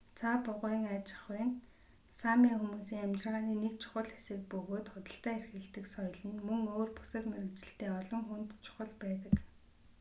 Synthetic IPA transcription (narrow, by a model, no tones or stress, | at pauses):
t͡sʰapʊʁʊiŋaːt͡ɕɪ̥̆χʊj̆n | samʲiːŋxumuːsiːŋæmt͡ɕɪ̆rʁaːniːnek̚t͡ɕʰʊ̥χə̆ɮxe̥sɘ̆k̚pɵɣoːt̪χʊt̪ə̆ɬt̪æːerxɘ̆ɮt̪ɘ̆ksɔjɞ̆ɮə̆nmɵŋoːrpu̥sə̆t̪meɾɘ̆wt͡ɕɪ̆ɬt̪eːɔɮɞ̆ŋxun̥t̪t͡ɕʰʊ̥χə̆ɮpæːt̪ə̆k